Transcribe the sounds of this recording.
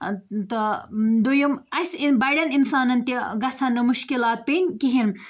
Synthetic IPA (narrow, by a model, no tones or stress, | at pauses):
t̪ɐd̪ujumɐsibɐjɖɐninsaːnɐnt̪iɡɐsʰɐnːɨmuʃkilaːt̪̚pinʲkiɦin